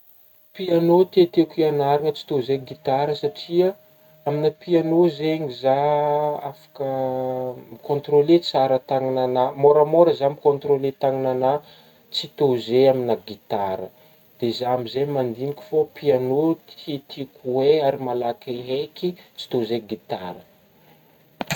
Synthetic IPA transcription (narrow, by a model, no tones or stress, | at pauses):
pianot̪et̪ekianaɾiŋət͡si̥t̪ozeɡit̪aɾəsaʈ͡ʂiə | aminəpianozeɲizaafḁkə | mikõnt̪ɾolet͡saɾət̪aŋinanamoɾəmoɾəzamikõnt̪ɾolet̪aŋinana | t͡sit̪ozeaminaɡit̪aɾə̰ | d̪̥ezamizemand̪inikʲu̥fopianot̪it̪ʰikuweaɾimalakeɦekit͡si̥t̪ozeɡit̪aɾə